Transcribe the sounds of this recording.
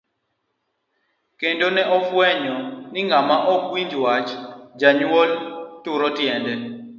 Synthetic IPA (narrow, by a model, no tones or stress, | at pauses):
kendonɛʔɔfwɛɲɔnɪŋamaʔɔkwiɲd͡ʒwat͡ʃd͡ʒaɲwoltʊɾɔtjɛndɛ